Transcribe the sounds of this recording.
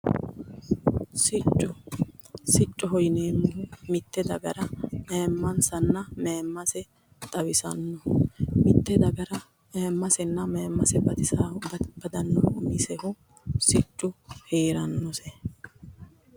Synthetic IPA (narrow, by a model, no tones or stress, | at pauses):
sɪt͡ʃʼːʊ | sɪt͡ʃʼːɔɦɔjneːmːɪhʊmɪt̪ːɛd̪ɐɡɐɾɐmeːmːɐnsɐnːɐmeːmːɐsɛ | t̪ʼɐwɪsɐnːɔmɪt̪ːɛd̪ɐɡɐɾɐ | meːmːɐsɛnːɐmeːmːɐsɛbɐt̪ɪsaːhʊbɐb̥ɐd̪ɐnːɐʔʊmɪsɛhʊ | sɪt͡ʃʼːʊheːɾɐnːɔsɛ